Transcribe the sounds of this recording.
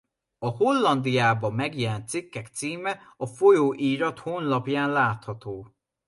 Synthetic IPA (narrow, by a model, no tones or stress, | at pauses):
ɒho̞lːɒnd̪ijaːbɒmɛɡjɛlɛnt̪sikːɛkt̪siːmɛɒfo̞joːʔiːɾɒt̪honlɒpjaːnlaːt̪hɒt̪oː